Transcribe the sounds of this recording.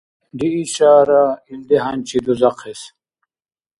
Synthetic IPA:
d̪iiɕaːɾaild̪eɦɐnʲt͡ɕʰid̪uzɐqes

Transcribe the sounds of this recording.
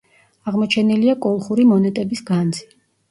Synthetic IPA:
aʁmɔt͡ʃʰɛniliakʼɔlˠχuɾimɔnɛt̪ʼɛbisɡand̪zi

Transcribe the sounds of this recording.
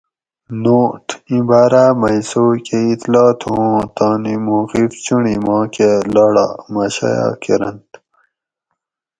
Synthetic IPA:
noːʈĩbaːɾaːmɐjsoːkeit̪lɑːt̪ʰõːt̪ãːnimuːqift͡ɕuɳimɑ̃ːkelaɽa̰mɐɕa̰jɑ̰keɾɐ̰nt̪

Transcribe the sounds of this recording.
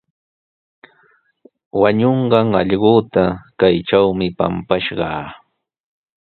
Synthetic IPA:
waɲoɴɢɑŋɑʎɢoːt̪akajʈ͡ʂawmɪpa̰mpaʃɢɑː

